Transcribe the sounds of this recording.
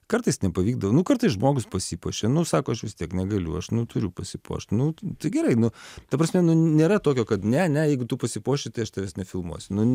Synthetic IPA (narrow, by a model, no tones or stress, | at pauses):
kɐɾt̪ɐɪsnʲɛpɐʋʲiːɡ̚d̪ɐʋoːnʊkɐɾt̪ɐɪsʒmoːɡʊspɐsʲiːpoːʃʲenʊsɑːkoːɐʃʋʲɪst̪ʲiɛknʲɛɡɐlʲʊ̰ɐʃnʊt̪ʊɾʲʊpɐsʲɪpo̰ːʃt̪ʲnʊt̪ɐɪɡʲɛɾɐɪnʊt̪ɐpɾɐsʲmʲɛnʊnʲeːɾɐt̪oːkʲoːkɐt̪nʲɛɐnʲɛjɛɪɡʊt̪upɐsʲɪpoːʃʲɪt̪ɐɪɐʃt̪ɐʋʲɛsnʲɛfʲɪlˠmṵɔsʲʊnʊ